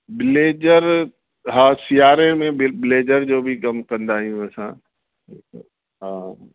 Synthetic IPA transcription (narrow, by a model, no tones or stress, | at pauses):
bɪleːd͡ʒəɾ | ɦãːsijaːɾemẽbbɪleːd͡ʒəɾd͡ʒoːbʱikɐmkɐ̃nd̪aːɦijũɛsã̰ː | ɦã